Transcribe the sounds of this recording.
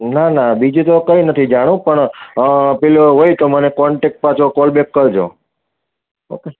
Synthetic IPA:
nanabid͡ʒũt̪okəinət̪ʰid͡ʒaɽ̃ũpəɳ | peloɦoit̪omənekɔɳʈek̚ʈ̚pat͡ʃʰokɔlbekːəɾd͡ʒo̰ | o̰ke

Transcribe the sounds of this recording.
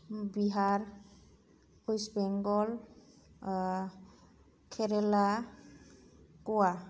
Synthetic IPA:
biɦaɹ | ojsbɛŋɡɔl | kʰɛɾɛla | kɔwa

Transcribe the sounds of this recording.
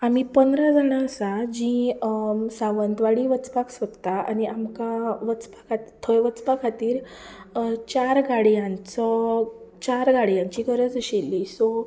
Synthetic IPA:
am̤ipənd̪ɾad͡zanaːsad͡ʑĩ | saʋənd̪ʋaɽiːʋət͡spaksət̪t̪aa̰niʔamkaʋət͡spḁkʰat̪it̪ʰəjʋət͡spakʰat̪iːɾ | t͡ɕaɾɡaɽjãnt͡sət͡ɕaɾɡaɽjãɲt͡ɕikəɾət͡səɕelːisɔ

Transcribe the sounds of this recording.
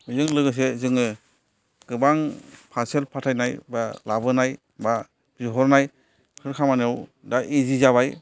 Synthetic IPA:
zɯŋlɯɡɯs̬ezɯŋɯ | ɡ̥ɯbaŋpʰaselpʰatʰajnajbalabɯnaj | ba | zɔɦɔɾnaj | kʰɯɾkʰamanɔw | daʔizizaβaj

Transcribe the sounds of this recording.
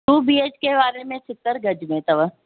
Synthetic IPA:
t̪uːbiːeːt͡ʃkebaːɾemẽsɪt̪ːəɾɡʱɐd͡ʒmẽt̪ɐʋə

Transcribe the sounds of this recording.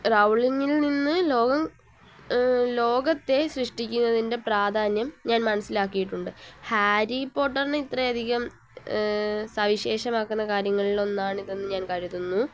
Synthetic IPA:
rɐwɭiŋːilninːɨlo̞ːɡɐm | lo̞ːɡɐt̪ːe̞ɕrɨʂʈikʲːunːɐðinde̞praːd̪ʱaːnjɐmɲaːnmɐnɐsːilaːkːijiʈːuɳɖɨhaːɾipːo̞ːʈːɐrneit̪rɐɐd̪ʱiɣɐm | sɐʋiɕe̞ːʂɐmaːkːunːɐkaːɾjɐŋːɐɭilo̞nːaːɳiðe̞nːɨɲaːnkɐɻiðunːu

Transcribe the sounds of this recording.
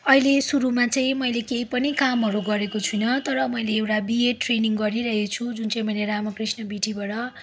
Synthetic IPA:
ʌilesuɾumat͡sʌĩmʌjlekeipʌnikamɦʌɾuɡʌɾekot͡sʰujnʌt̪ʌɾʌmʌjleːwʈabieʈreniŋɡʌɾiɾʌɦet͡sʰud͡zunt͡sʌ̃ĩmʌjleɾamʌkrisnʌbiʈibaʈʌ

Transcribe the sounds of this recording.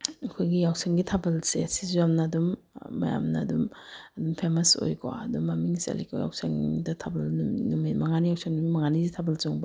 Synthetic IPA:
ɐkʰojɡijawseŋɡitʰabɐlsesizuamnɐːdumː | ɐ̰ja̰mnɐːdumɐdumpʰemɐso̰jkʰo̰ɐdumːɐmiŋsḛliko̰ja̰wseŋdɐtʰabɐlnunumimɐŋanijawsʰeŋnumimɐŋanizitʰabɐlzoŋbɐ

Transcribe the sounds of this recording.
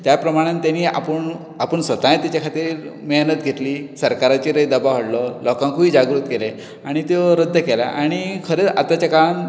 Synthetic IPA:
t̪japɾəmaɽ̃ãnt̪janiːa̰pəɳ | apəɳsʋət̪ajet̪jat͡ɕakʰat̪iːɾmeɦnət̪ɡʱet̪liːsəɾkaɾat͡ɕeɾəjd̪əbaɦəɽlɔlɔkãŋkuiːd͡ʑaɡɾuːt̪kele | aɽ̃it̪eɾəd̪ʱːəkela̰ʔaɽ̃ikʰəɾeat̪at͡ɕakan

